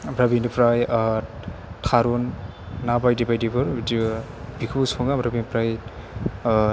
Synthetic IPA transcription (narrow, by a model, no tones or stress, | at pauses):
bɾabinpɾaj | tʰaɾunː | abajdibajdibɯɾbiti | bikʰusɔŋabɾabinpɾaj